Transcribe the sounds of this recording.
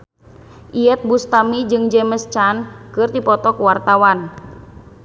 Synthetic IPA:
ʔiɛt̪̚bust̪amid͡ʒɨŋd͡ʒɛməst͡ʃankɨrd̪ipɔt̪ɔkwart̪awan

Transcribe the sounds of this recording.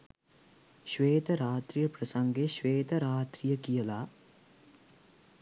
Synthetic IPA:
ʃʋeːt̪ɐɾaːt̪ɾijɐpɾɐsɐŋɡeʃʋeːt̪ɐɾaːt̪ɾijɐkijɐlaː

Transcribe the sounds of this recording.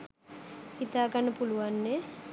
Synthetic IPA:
hit̪aːɡanːəpuluʋanːe

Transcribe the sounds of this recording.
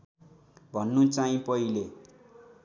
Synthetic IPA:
bʱʌnːut͡saĩpʌile

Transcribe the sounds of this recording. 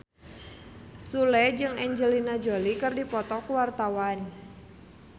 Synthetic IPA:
sulɛd͡ʒɨŋɛɲd͡ʒəlinad͡ʒolikɨrdipɔt̪ɔkuwart̪awan

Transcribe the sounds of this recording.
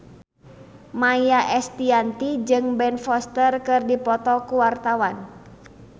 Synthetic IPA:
majjaʔɛst̪iant̪id͡ʒɨŋbɛnfɔst̪ərkɨrdipɔt̪ɔkuwart̪awan

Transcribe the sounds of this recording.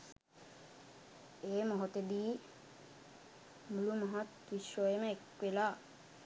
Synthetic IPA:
eːmoɦot̪ed̪iː | mulumaɦat̪kiʃojeməekwelaː

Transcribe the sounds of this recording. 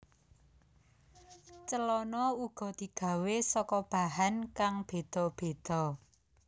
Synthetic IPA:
t͡ʃəlɔnɔuɡ̥ɔ̤d̪̥i̤ɡ̥a̤wesɔkɔb̥aɦankaŋb̥ed̪̥ɔ̤b̥e̤d̪̥ɔ̤

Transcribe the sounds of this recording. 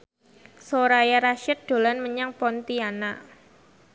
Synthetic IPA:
soɾajaɾaʃɪt̪̚d̪̥o̤lanməɲaŋpɔnt̪iana

